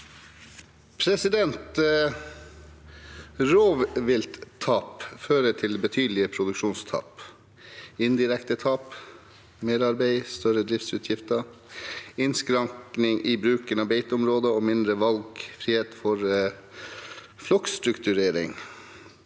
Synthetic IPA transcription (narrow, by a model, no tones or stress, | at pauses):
pʰɾɛsɪd̪ɛnt̪ | ɾoːʋʋɪlt̪t̪ʰːɑːpføːɾəʈʰɪlbət̪ʰyːd̪lɪəpʰɾʊd̪ʉkʂuːnst̪ʰɑ̰ːp | ɪnd̪ɪɾɛkt̪ət̪ʰɑːp | meːɾɑɾbeɪst̪œɾəd̪ɾɪft̪sʉːt̪ʰjɪft̪ə | ɪnskɾɑŋknɪŋʔiːbɾʉːkənɑʋbeɪt̪ʊmɾoːd̪əoːmɪnd̪ɾəʋɑlɡfɾiːheːt̪fɔɾ | flɔkst̪ɾʉkt̪ʉɾeːɾɪ̰ŋ